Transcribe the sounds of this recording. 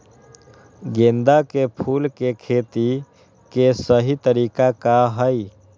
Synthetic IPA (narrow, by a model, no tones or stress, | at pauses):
ɡend̪akepʰulkekʰet̪i | kesəɦit̪əɾikakaɦəj